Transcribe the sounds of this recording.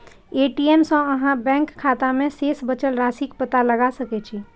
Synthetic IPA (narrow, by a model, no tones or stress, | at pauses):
eʈiemsə̃əɦãbɛ̃ŋkʰːat̪amẽsesbət͡ʃəlɾasikpət̪aləɡasəkɛt͡ʃʰi